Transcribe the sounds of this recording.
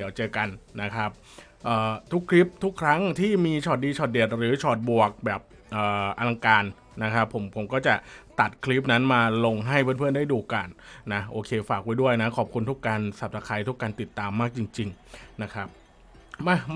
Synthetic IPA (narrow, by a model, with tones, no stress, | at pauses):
i˩˦wt͡ɕɤː˧ka˧nːa˦˥kʰɾa˦˥p̚ | ʔəː˨˩t̪ʰu˦˥kʰli˦˥p̚t̪ʰu˦˥kʰːɾa˦˥ŋt̪ʰiː˥˩miː˧t͡ɕʰɔː˨˩t̪̚diː˧t͡ɕʰɔː˨˩t̪̚di˨˩ət̪̚ɾɯː˨˩˦t͡ɕʰɔː˨˩t̪̚bu˨˩ək̚bɛː˨˩p̚ | ʔəː˨˩ʔa˧la˧ŋkaː˧nː | a˦˥kʰa˦˥pʰːo˩˦mpʰo˩˦mkɔː˥˩t͡ɕa˨˩t̪a˨˩t̪̚kʰli˦˥p̬̚na˦˥nmaː˧lo˧ŋɦa˥˩jpʰɯ˥˩əpɯ˥˩ənda˥˩jduː˧ka˧nːa˦˥ʔoː˧kʰeː˧faː˨˩k̚waː˦˥˩jdu˥˩əjna˦˥kʰɔː˨˩p̚kʰu˧nt̪ʰu˦˥kːaː˧nsa˨˩p̚t̪ʰaː˧kʰaː˧˩jt̪ʰu˦˥kːaː˧nt̪i˨˩t̪ːaː˧mːaː˥˩k̚t͡ɕi˧ŋt͡ɕi˧ŋ | na˦˥kʰɾa˦˥p̚ | ma˧˩